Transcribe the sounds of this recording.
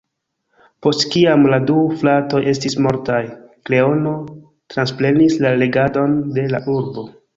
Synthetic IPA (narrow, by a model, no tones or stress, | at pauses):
po̞stkiamladuflato̞jʔe̞stismo̞ɾtajkle̞o̞no̞ | tɾansple̞nislale̞ɡado̞nde̞laʔuɾbo̞